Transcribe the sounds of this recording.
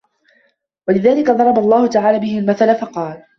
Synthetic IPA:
walɪðaːlɪkad̪ˤɑɾˤɑbɑlˤːɑːhʊt̪aʕaːlaːbɪhɪlmaθalafɑqɑːl

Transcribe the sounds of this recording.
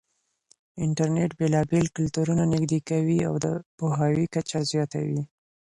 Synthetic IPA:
ɪɳʈaɾneʈbelɑbelkʊlt̪uɾunanɪɡd̪ekawia̰wd̪əpoɦɑwikat͡ʃazjɑt̪a̰wi

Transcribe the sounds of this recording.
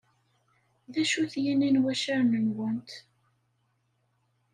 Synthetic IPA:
ðæʃuθjænænwæʃaɾnənwənt̪

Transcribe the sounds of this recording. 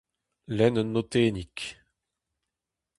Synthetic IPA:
lɛnnot̪eːnik

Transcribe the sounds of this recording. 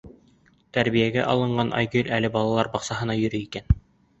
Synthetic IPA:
t̪æɾβijæɡæʔɑ̰lˠɤ̆ɴɢɑnʔɑ̰jɡʲelʲʔælɘbɑlˠɑlˠɑɾbɑqsɑɦɤ̆nɑjɵ̆ɾɘikæn

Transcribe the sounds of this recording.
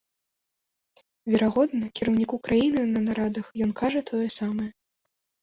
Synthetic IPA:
vʲɛɾaɣɔd̪nɐkʲiɾɐwnʲikukɾajinɨnɐnaɾad̪ɐxjɔnkaʐɐt̪ʰɔjɛsamɐjɛ

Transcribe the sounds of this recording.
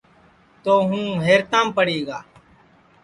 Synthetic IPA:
t̪oːɦũːɦeːɾt̪ãːmpəɽiːɡaː

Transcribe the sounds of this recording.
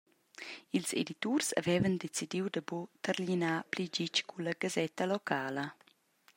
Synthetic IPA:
ilzḛd̪it̪ursa̰vɛːvənd̪et͡sid̪iwd̪əbut̪əɾlinaplid͡ʒit͡ʃkʰulɐɡ̥azɛt̪əlɔkʰaːlə

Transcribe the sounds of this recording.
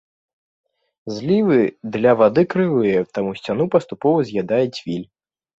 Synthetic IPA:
zʲlʲivɨd̪lʲɐvad̪ɨkɾɨvɨjɛt̪amusʲt͡sʲanupɐst̪upɔvɐzʲjad̪ajɛt͡sʲvʲilʲ

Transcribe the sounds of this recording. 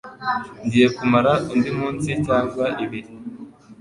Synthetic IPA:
ndijekumaɾaʔundimuːnsicaːŋɡwaʔiβiɾi

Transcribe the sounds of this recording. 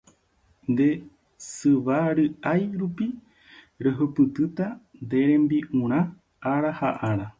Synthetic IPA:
nd̪e̞ | sɨβaɾɨʔajɾupi | ɾeɦɨpɨt̪ɨt̪and̪e̞ɾẽ̞mbiʔũɾ̃ã | aɾahaʔaɾa

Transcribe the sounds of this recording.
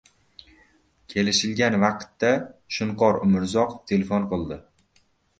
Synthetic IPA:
kʲʰe̞lɪʃɪlɡʲanvɑqt̪ːaʃʊɴqʰɒɾʊmɪɾzɒqt̪ʰe̞lefonqɨlˠd̪ɪ

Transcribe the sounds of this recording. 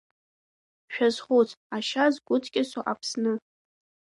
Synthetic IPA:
ʃᶣazχut͡sʰʼaʃazɡʷʊt͡sʰʼkʲʼɪsoʔapʰsnɨ

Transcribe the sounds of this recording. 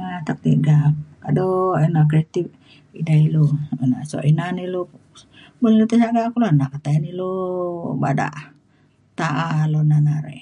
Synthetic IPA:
at̪ak̚t̪iʔɡaadɔenak̬ɾit̪ip̚ | ḭnailoina̰ʔsɔ̰ʔinanilo | bollit̪iʔsaɡakulonaʔkat̪aaniloba̰da̰ʔ | t̪aʔalonanaɾḛ

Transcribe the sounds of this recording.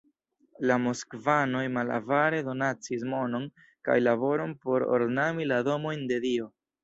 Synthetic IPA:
lamoskvano̞jmala̰vaɾe̞do̞nat͡sismo̞no̞n | ka̰jlabo̞ɾo̞npo̞ɾo̰ɾnamilado̞mo̞jnde̞dio̞

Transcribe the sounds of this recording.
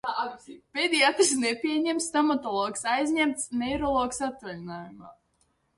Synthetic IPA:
pʲed̪ʲiaːt̪ɾsnepʲiɛɲɛmst̪ɔmat̪ɔlˠɔːksajzɲɛmt̪snɛjɾɔlˠɔːksat̪ːalʲinaːjumaː

